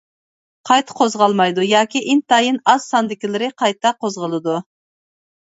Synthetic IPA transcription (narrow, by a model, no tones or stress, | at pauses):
qʰɑjt̪ʰə̥qʰozʁɑlˠmɑjd̪ujɑːkʲiʔɪnt̪ɑjɨnɑz̥sɑnd̪ɪkʲilɪɾɪqʰɑjt̪ɑqʰozʁəlˠɨd̪u